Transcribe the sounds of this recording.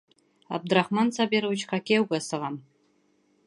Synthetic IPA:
a̰b̚draχmant͡sʰabeɾawt͡ʃʰχʰakʲewɡʷasɨʁam

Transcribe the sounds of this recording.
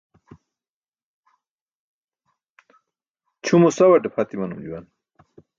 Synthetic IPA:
t͡ɕʰumusawɐʈepʰat̪imɐnumd͡ʑiwan

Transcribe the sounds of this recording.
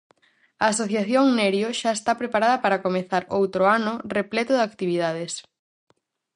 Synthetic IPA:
ɐːsoθjaθjoŋnɛɾjoʃaest̪apɾepaɾaðɐpaɾɐkomeθaɾowt̪ɾʊanʊreplɛt̪ʊðakt̪iβiðaðes

